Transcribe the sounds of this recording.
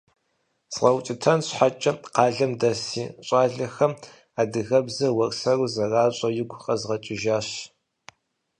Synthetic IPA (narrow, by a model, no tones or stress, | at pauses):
sʁɐwt͡ʃʼɪtʰɐnɕħat͡ʃʼɐqɑːɮɐmdɐsiːɕʼaːɮɐxɐm | aːdɨɣɐbzɐwɐrsɐruzɐraːɕʼɐjɪɡʷxɐzʁɐt͡ʃʼɪʒaːɕ